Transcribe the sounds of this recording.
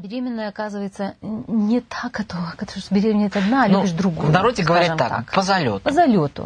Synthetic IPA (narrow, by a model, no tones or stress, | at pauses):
bʲɪɾʲemʲɪnːəjəɐkazɨvəjɪt̪sənʲɪt̪ʰaɡɐt̪ovəkɐt̪t̪obʲɪɾʲemʲɪnʲɛt̪ɐd̪naːlʲubʲɪʂd̪ɾʊɡovnɐɾodʲɪɡəvɐɾʲiʐmːa̰k̪a̰kpəzɐlʲo̰t̪pəzɐlʲot̪ʊ̰